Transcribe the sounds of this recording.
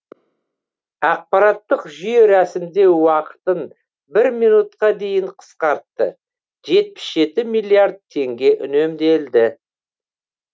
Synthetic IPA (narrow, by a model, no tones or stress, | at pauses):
ɑq̚pɑɾɑt̪ːəqʒʏjeɾæsɪmd̪e̞wɑqə̥t̪ən | bɪɾmijnut̪qɑd̪e̞jɪɴqʰə̥sqɑɾt̪ːə̰ | ʒe̞t̪̚pɪ̥sʒe̞t̪ɪmijlʲˠijaɾd̪̚t̪ʰːe̞ŋɡʲe̞ʔʏne̞md̪e̞ld̪ɪ